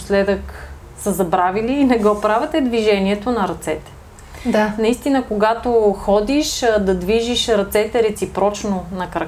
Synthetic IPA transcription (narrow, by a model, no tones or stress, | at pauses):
slɛd̪ək | səzɐbɾaviliːnɛɡɔpɾavʲət̪ɛd̪viʒɛniɛt̪onɐɾɐt̪sɛt̪ɛ̥ | d̪nɐist̪inəkoɡat̪oxɔd̪iʃd̪ɐd̪viʒiʃɾɐt̪sɛt̪ɛɾɛt̪sipɾɔt͡ʃnonɐkɾɐ